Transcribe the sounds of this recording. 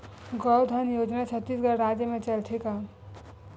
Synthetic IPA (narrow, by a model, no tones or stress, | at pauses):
ɡʌwd̪ʱʌnjod͡ʒnat͡ʃʰʌt̪ːisɡʌɾɾad͡ʒjəmet͡ʃəlt̪ʰika